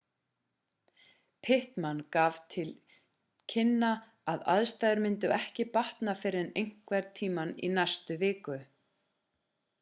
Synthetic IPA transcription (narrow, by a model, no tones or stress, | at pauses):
pʰɪht̪mankaːv̥t̪ʰɪl | cʰɪnːa | aða̰ðst̪ajðʏɾmɪnt̪ʏɛhcɪpaht̪nafɪːɾɪðɛnejŋ̥kvɛɾt̪ʰːiːmanḭnajst̪ʏvɪːkʏ